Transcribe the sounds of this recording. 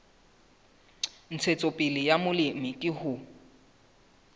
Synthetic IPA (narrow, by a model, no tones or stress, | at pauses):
n̩t͡sʰet͡sʼopʼɪlɪjamʊlɪmɪkʼɪhʊ